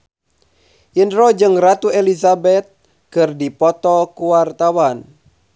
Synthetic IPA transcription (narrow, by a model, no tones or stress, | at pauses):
ʔindɾɔd͡ʒɨŋrat̪uɛlizabɛt̪̚ | kɨrdipɔt̪ɔkuwart̪awan